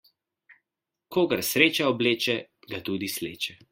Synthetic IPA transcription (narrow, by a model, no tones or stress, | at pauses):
kʰoːɡaɾsɾeːt͡ʃaɔbleːt͡ʃɛɡat̪uːd̪islḛːt͡ʃɛ